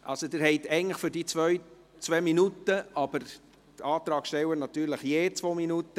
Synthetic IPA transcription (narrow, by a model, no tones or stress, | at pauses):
ʔɑ̰lsod̪ɪːɾhɛɪt̪ɛɪɡəŋtləχfʏɾdiːt͡sʋœʏ | t͡sʋɛminutəʔɑb̥əɾ | tɑːt̪ɾɑːɡʃtɛwənɑt̪yːɾləχjeːt͡sʋoːminut̪ːə